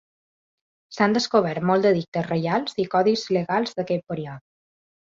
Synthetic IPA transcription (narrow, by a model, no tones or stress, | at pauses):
sand̪əskoβ̞ɛɾt̪mɔlˠd̪əðik̚t̪əsrəjalˠzikɔðizləɣalˠzðəkɛt̪̚pəɾiɔt̪